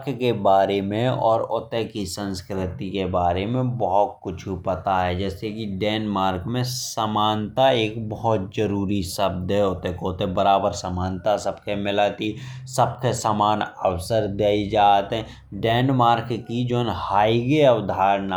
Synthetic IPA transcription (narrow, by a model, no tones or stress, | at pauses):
kkebaːɾemẽɔːɾot̪ekisə̃nskɾɪt̪ikebaːɾemẽbɔɦʊt̪̚kʊt͡ʃʰupət̪aɦɛd͡ʒɛːsekiɖɛːnmaːɾkmẽsəmaːnt̪aeːkbəɦɔt̪̚d͡ʒəɾuːɾisəb̚d̪ɦɛʊt̪ekot̪ebəɾaːbəɾsamaːnt̪asəb̚kemɪlaːt̪isəbkesaːmaːnəʋsəɾd̪eːid͡ʒaːt̪ɦɛ̃ | ɖɛːnmaːɾkkid͡ʒoːnhaːiɡeəʋd̪ʱaːɾna